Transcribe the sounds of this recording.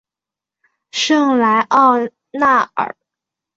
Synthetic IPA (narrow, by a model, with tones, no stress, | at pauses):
ʂɤ˥˩ŋla˧˥ɪʔɑ˥˧ʊ | na˥˩ə̰˨˩˦